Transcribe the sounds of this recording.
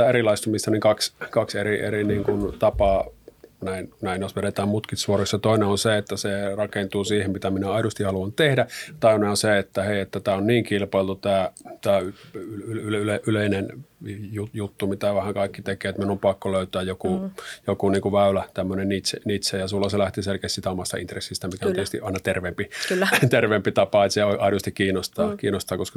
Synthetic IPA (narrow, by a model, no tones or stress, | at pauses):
æerilɑˑist̪umist̪ɑniŋkɑkskɑkseriḛriniːŋkunt̪ɑpɑːnæˑinnæˑinjosʋeɾet̪æːmmut̪kit̪suoroksjɑt̪oˑineonseet̪ːæserɑkent̪uːsiːhemmit̪æminæɑˑidust̪ihɑluɑnt̪ehdæt̪ɑˑineonseet̪ːæheˑiet̪ːæt̪æːonniːŋkilpɑˑelt̪ut̪æːt̪æːy | yleʔyleˑinenjujut̪ːumit̪æʋæhæŋkɑˑikːit̪ekeːet̪minuompɑkːoløˑyt̪æːjjokujokuniːŋkuʋæˑylæt̪æmːønennit̪senit̪sejɑsulːɑselæht̪iselkest̪siːt̪æomɑst̪ɑ̰ḭnt̪resːist̪æmikæont̪est̪ḭʔɑˑinɑt̪erʋempikːæt̪erʋeːmpit̪ɑpɑet̪seoʔɑˑiust̪ikkiːnost̪ɑːkiːnost̪ɑːkoskɑ